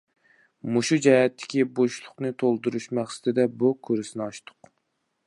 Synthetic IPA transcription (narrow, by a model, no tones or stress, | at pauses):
muʃud͡ʒɛɛt̪ʰːɪ̥kʲiboʃlˠʊχnɨt̪ʰolˠd̪uɾuʃmæχsɪ̥t̪ʰɪd̪ɛbukʲʰøɾɪsɪnɨɑʃt̪ʰʊ̥q